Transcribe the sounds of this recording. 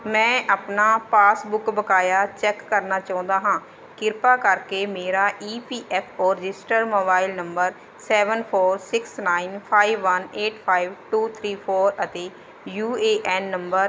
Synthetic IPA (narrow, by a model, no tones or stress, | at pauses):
mɛ̃ːʔaːpnaːpaːsbʊkbəkaːjaːt͡ʃɛːkːəɾnaːt͡ʃaːʊ̃nd̪aːɦãː | kɪɾpaːkəɾkeːmeːɾaːʔiːpiːʔɛːpʰoːɾɪd͡ʒɪsʈəɾmoːbaːɪlnəmbəɾ | sɛːʋənpʰoːɾsɪksnaːinpʰaːiʋːəneːʈ̚ʰpʰaːiʋʈuːt̪ʰɾiːpʰoːɾət̪eː | juːeːʔɛːnːəmbəɾ